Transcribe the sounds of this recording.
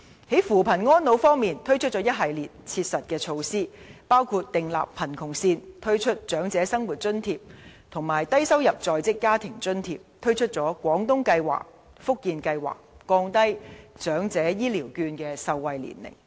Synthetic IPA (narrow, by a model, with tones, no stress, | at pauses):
he˨˥jfuː˨˩pʰɐ˨˩nŋɔː˥nlo˨˥wfɔː˥ŋmiː˨nt̪ʰɵ˥ɥt͡ʃʰɵ˥t̚t͡ʃɔː˨˥jɐ˥t̚ɦɐ˨jliː˨˩t̚t͡sʰiː˧t̚sɐ˨t̚kɛː˧t͡sʰo˧wsiː˥paː˥wkʰuː˧t̚t̪ɪ˨ŋla̰ː˨ppʰːɐ˨˩nkʰʊ˨˩ŋsiː˧nt̪ʰɵ˥ɥt͡ʃʰɵ˥t̚t͡ʃœː˨˥ŋt͡sɛː˨˧˥sɐ˥ŋwuː˨t̚t͡ʃɵ˥nt̪ʰiː˧p̚t̪ʰʊ˨˩ŋmaː˨˩jt̪ɐ˥jsɐ˥wjɐ˨p̚t͡sɔː˨jt͡sɪ˥kːaː˥t̪ʰɪ˨˩ŋt͡sɵ˥nt̪ʰiː˧p̚t̪ʰɵ˥ɥt͡ʃʰɵ˥t̚t͡ʃɔː˨˥kʷwʷɔː˨˥ŋt̪ʊ˥ŋkɐ˧jwa̰ː˨˩k̚ | fʊ˥k̚jiː˨˧nkɐ˧jwa̰ː˨˩k̚ːɔː˧ŋt̪ɐ˥jt͡ʃœː˨˥ŋt͡sɛː˨˥jiː˥liː˨˩wkyː˧nkɛː˧sɐ˧wːɐ˨˧jlḭ˨˩nlɪ̰˨˩ŋ